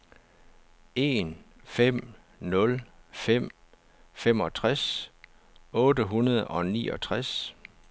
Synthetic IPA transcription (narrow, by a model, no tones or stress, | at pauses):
e̝nfem̰ | nɔ̽lfem̰ | fem̰ɒ̽t͡sʰʁas | ɔ̽ːdəɦunɐð̞ˠɒ̽nḭːɒ̽t͡sʰʁas